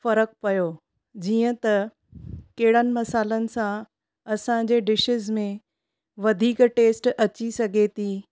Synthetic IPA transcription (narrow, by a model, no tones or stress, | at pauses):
fɐɾək̚pɐjoː | d͡ʑiːə̃t̪ɐ | kɐɦɪɽənɪ̆mɐsaːlənɪ̆sã | ɐsãd͡ʑeːɖɪʃɪzmẽ | ʋɐd̪ʱiːkʈeːsʈɐt͡ɕisɐɡʱet̪ʰiː